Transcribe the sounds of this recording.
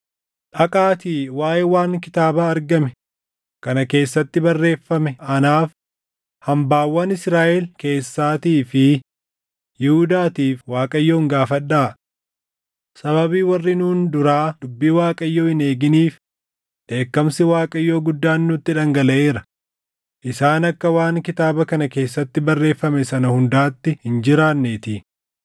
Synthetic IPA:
ᶑɐkʼaːt̪iːwaːjɛwaːŋkɪt̪aːbaːɐɾɡɐmɛ | kɐnɐke̞ːsːɐt̪ːɪbɐrːe̞ːfːɐmɛʔɐnaːf | hɐmbaːwːɐnɪsɾaːʔɛlke̞ːsːaːt̪iːfɪ | jɪhʊd̪aːt̪iːfwaːkʼɐjːoːŋɡaːfɐᶑːaː | sɐβɐbiːwɐrːɪnuːnd̪ʊɾaːd̪ʊbːiːwaːkʼɐjːo̞ːhɪne̞ːɡɪniːf | ᶑe̞ːkːɐmsɪwaːkʼɐjːo̞ːɡʊd̪ːaːnːʊt̪ːɪᶑɐŋɡɐlɐʔeːɾɐ | ʔɪsaːnɐkːɐwaːŋkɪt̪aːbɐkɐnɐke̞ːsːɐt̪ːɪbɐrːe̞ːfːɐmɛsɐnɐhʊnd̪aːt̪ːɪhɪnd͡ʒɪɾaːnːeːt̪i

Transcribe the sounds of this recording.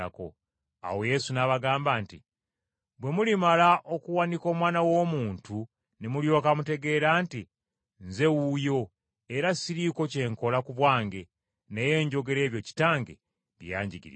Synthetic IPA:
a̰ko̞̰ | a̰wo̞je̞sunaβaɡaːmbaːnti | bwe̞mulimalaʔo̞kuwaniko̞ːmwaːnawo̞ːmuːntu | nemuljo̞ːkamute̞ɡe̞ɾaːnti | nze̞wujo̞ | eɾasiɾiko̞ce̞ːŋko̞lakuβwaːŋɡe̞ | ne̞jeːɲɟo̞ɡe̞ɾe̞ːβjo̞ci̥taːŋɡḛ | βḭja̰ːɲɟiɡḭɾ̰

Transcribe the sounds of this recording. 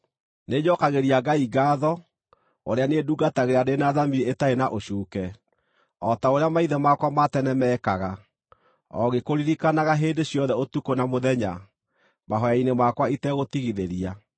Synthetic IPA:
neɲɔkaɣeɾiaɡaiɡaːðɔ | oɾeaneduɡataɣeɾeadenaðamieetaenaʔoɕuːkɛ | ɔtaoɾeamaiðɛmakwamatɛnɛmɛkaɣa | ɔ̰ɣekoɾiɾikanaɣaɦeːndeɕjɔðɛotukonamoðɛɲa | maɦɔjainemakwaitɛɣotiɣiðeɾia

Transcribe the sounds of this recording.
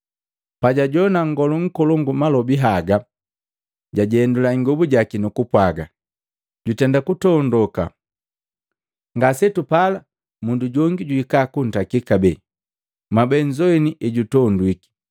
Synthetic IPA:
paɟaɟɔnaŋɡɔluŋ̩kɔlɔŋɡumalɔbiɦaɡa | ɟaɟɛndulaiŋɡɔbuɟakinukupwaɡa | ɟutɛndakutɔndɔka̰ | ŋɡasɛtupala | munduɟɔŋɡiɟuikakun̩takikabɛ | mabɛɲd͡ʒɔiniʔɛɟutɔndwiki̥

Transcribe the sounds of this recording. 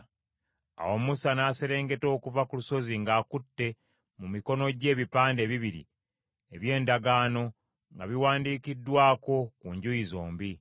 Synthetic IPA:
a̰wo̞musanaːse̞ɾe̞ːŋɡe̞to̞ːkuvakuluso̞ziŋɡaːkutːe̞ | mumiko̞no̞ɟe̞ːβipaːndeːβiβiɾḭ | eβje̞ːndaɡaːno̞ | ŋɡaβiwaːndiːkidːwaːko̞kuɲɟujizo̞ːmbi

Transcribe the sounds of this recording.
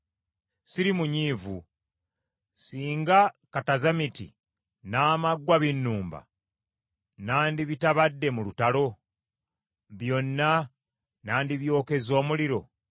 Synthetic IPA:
siɾimuɲiːvu | siːŋɡakatazamitḭ | naːmaɡwaβinːuːmba̰ | naːndiβitaβadːe̞mulutalo̞ | βjo̞nːa | naːndiβjo̞ːke̞zo̞ːmuliɾo̞̰

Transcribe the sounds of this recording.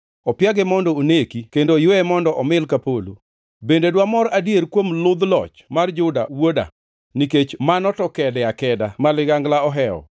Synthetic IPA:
ɔpjaɡɛmɔndɔonekikendojoɛmɔndɔʔɔmɪlkapolo̰ | bendedwamɔɾadjeɾkwomlʊd̪lɔ̰t͡ʃmard͡ʒʊda̰woda̰ | niket͡ʃmanɔtɔkɛdɛakɛdamalɪɡaŋɡlaɔɦɛɔ̰

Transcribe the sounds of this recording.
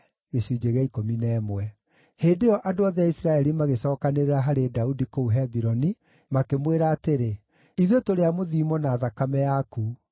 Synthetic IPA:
esuid͡ʒeɣɛikominɛːmwɛ | heːndeɔʔadoaðɛaisɾaɛɾimaɣesɔːkaneɾeɾaɦaɾedaudikouɦɛbiɾɔni | makemweɾaːteɾe | iðotoɾeamoðiːmɔnaːðakamɛjaku

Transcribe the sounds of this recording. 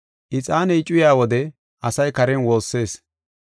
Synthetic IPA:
ʔɪt͡sʼaːnɛt͡ʃʼːʊjaːwɔd̪ɛ | ʔɐsɐjkɐɾɛnwo̞ːsːe̞ːs

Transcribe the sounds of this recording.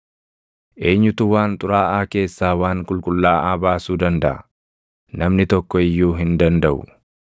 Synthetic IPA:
ʔe̞ːɲːʊt̪ʊwaːnt̪ʼʊɾaːʔaːke̞ːsːaːwaːŋkʼʊlkʼʊlːaːʔaːbaːsuːd̪ɐnd̪ɐʔɐ̰ | nɐmnɪt̪ɔkːɔɪjːuːɦɪnd̪ɐnd̪ɐʔʊ̰

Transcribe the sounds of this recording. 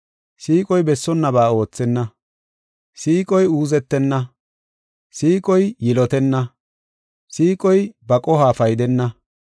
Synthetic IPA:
siːkʼɔjbɛsːɔnːɐbaːo̞ːt͡sːɛnːɐ | siːkʼɔjuːzɛt̪ːɛnːɐ | siːkʼɔjjɪlɔt̪ɛnːɐ | siːkʼɔjbɐkʼɔɦaːfɐjd̪ɛnːɐ

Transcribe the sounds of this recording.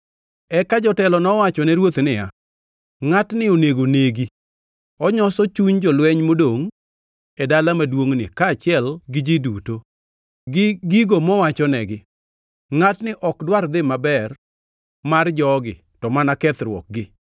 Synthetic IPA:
ɛkad͡ʒɔtɛlɔnɔwat͡ʃɔnɛɾwot̪nɪja̰ | ŋatnɪoneɡoneɡi | ɔɲɔsɔt͡ʃuɲd͡ʒɔlwɛɲmodoŋ | edalamadwoŋnɪ̰kaːt͡ʃɪɛlɡɪd͡ʒɪduto | ɡɪɡiɡomɔwat͡ʃɔnɛɡɪ | ŋatnɪʔɔkdward̪ɪmabɛr | mard͡ʒɔɡɪ̰ | tɔmanakɛt̪ɾwɔ̰k̚ɡɪ

